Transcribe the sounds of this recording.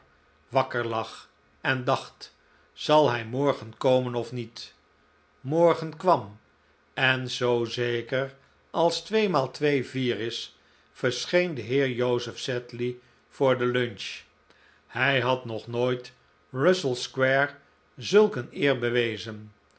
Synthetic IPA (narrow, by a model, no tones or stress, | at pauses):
ʋɑkəɹlɑχ | ɛndɑχt | z̥ɑlˠɦɛjmɔɹχənkowmənɔfnit | mɔɹχənkʋɑm | ɛnzowzejkəɹ | ɑlˠstʋejmaːlˠtʋejviːɾɪs | fəɹsχejndəɦɪːɹjowzəfsɛtli | v̥ʊːɹdəlønt͡ʃ | hɛjɦɑtnɔχnoːjt | rʌsəlˠskwɛɹ | zɵlˠkənɪːɹbəʋejzən